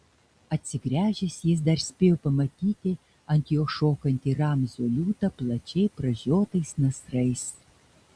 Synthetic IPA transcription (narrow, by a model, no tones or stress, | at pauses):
ɐt̪ʲsʲɪɡɾʲæːʒʲɪsjɪs̬d̪ɐɾsʲpʲeːjoːpɐmɐt̪ʲiːt̪ʲɪ | ɐnʲt̪ʲjoːʃoːkɐnʲt̪ʲiːɾɑmʲzʲoːlʲuːt̪ɐplˠɐt͡ʃʲɛɪpɾɐʒʲoːt̪ɐɪsnɐsɾɐɪs